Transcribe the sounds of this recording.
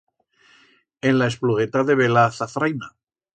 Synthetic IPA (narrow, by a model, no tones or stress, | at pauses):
enlae̞spluɣet̪aðe̞βelaθafɾajna